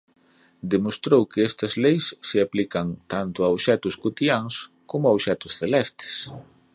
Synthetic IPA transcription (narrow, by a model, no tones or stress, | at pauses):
d̪emost̪ɾowkɪɛst̪ɐzlejsːɪaplikɐŋt̪ant̪ʊawʃɛt̪ʊskut̪iaŋs | komʊawʃɛt̪ʊsθelɛst̪ɪ̥s